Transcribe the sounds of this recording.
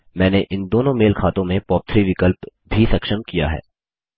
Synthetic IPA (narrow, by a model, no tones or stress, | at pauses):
mɛ̃ːneʔɪ̃nd̪oːnõmeːlkʰaːt̪õmẽpɔːp̚t̪ʰɾiʋɪkəlp | bʱisɐkʃəmkija̰ɦɛ̰ː